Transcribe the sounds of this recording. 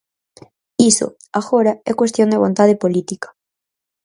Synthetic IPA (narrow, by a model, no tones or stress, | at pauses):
iso̰ | aɣoɾaɛkwest̪joŋd̪eβont̪að̞epolit̪ikḁ